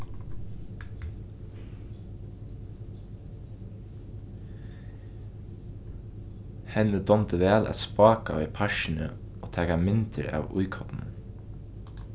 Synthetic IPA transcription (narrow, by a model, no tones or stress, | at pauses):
hɛnəd̪ɔmt̪əʋɛːlʔæ̰t̪spɑːka̰ɛpʰæʃɪnə̰ | oːt̪ʰæːkamɪnt̪əɾɑ̰ːʋʊjkʰɔp̪n